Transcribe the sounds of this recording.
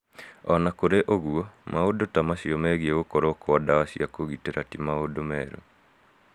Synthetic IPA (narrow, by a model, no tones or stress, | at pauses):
ɔnakoɾeʔoɣuɔmaodotamaɕiɔmɛɣieɣokɔɾokoɔdawaɕiakoɣiteɾatimaodomɛːɾo̰